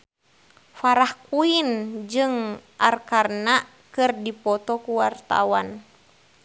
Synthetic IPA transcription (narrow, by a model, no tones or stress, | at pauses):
faɾahkuind͡ʒɨŋʔarkarna | kɨrdipɔt̪ɔkuwart̪a̰wan